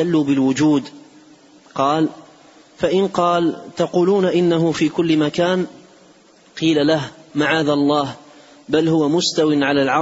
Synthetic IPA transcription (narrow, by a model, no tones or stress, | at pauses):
alːuːbɪlwʊd͡ʒuːd̪ | qɑːl | faʔɪnqɑːlt̪ɑquːluːnaʔɪnːaɦʊfiːkʊlːɪmakaːn | qiːlalahmaʕaːðalˤːɑːh | balhʊwamʊst̪awɪnʕalaːlʕɑ